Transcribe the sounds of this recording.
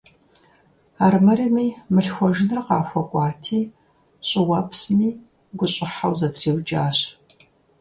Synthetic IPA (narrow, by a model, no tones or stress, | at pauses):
aːrmɐɾimiːmɨɬxʷɔʒɪnɨrqɑːxʷɔkʷʼɑːtʰiː | ɕʼɪwɐpsmiː | ɡʷʊɕʼɪħawzɐtʰreːwd͡ʒaːɕ